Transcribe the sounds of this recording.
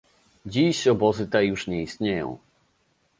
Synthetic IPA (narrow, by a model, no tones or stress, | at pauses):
d͡ʑiɕɔbɔzɘt̪ɛjuʂɲɛist̪ɲejɔ̰̃w̃